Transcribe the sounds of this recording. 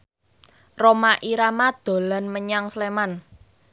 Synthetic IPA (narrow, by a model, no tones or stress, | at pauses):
romaʔiɾamad̪̥o̤lanməɲaŋsleman